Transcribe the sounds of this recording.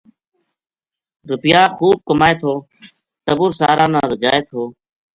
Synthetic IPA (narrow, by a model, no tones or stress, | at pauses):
ɾʊpɪjaːxuːb̚kəmaːeːt̪ʰoː | t̪əbʊɾsaːɾãːnaːɾəd͡ʒaːeːt̪ʰoː